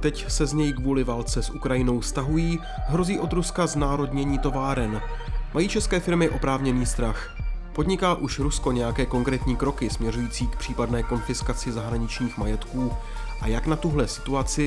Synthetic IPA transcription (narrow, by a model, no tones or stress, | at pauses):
t̪ɛcsɛzɲɛjkvuːlɪvaːlt͡sɛsʔukɾajɪno̞wfst̪aɦujiː | ɦɾo̞ziːʔo̞d̪ɾuskaznaːɾo̞dɲɛɲiːt̪o̞vaːɾɛnmajiːt͡ʃɛskɛːfɪɾmɪʔo̞pɾaːvɲɛniːst̪ɾax | po̞dɲɪkaːʔuʃɾusko̞ɲɛjakɛːko̞ŋkɾɛːt̪ɲiːkɾo̞kɪsmɲɛrujiːt͡siːk̚pr̥iːpadnɛːko̞nfɪskat͡sɪzaɦɾaɲɪt͡ʃɲiːxmajɛt̪kuː | ʔajaknat̪uɦlɛsɪ̥t̪uat͡sɪ